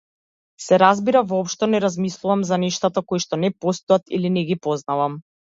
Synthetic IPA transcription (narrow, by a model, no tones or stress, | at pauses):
sɛɾazbiɾavɔːpʃt̪ɔnɛɾazmislˠuvamzanɛʃt̪at̪akojʃt̪ɔnɛpɔst̪uat̪ḭlinɛɡipɔznavam